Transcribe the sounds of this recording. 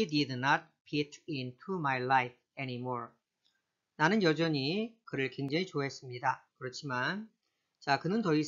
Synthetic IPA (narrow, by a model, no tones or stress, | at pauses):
ididnʌt̚pʰitʰintʰumajlajp̚ʰenimoɹ | nanɯnjʌd͡ʑʌɲikɯɾɯɭkwe̞ŋd͡ʑaŋit͡ɕoɦe̞s͈ɯmɲidakɯɾʌt͡ɕʰiman | t͡ɕakɯnɯntʌis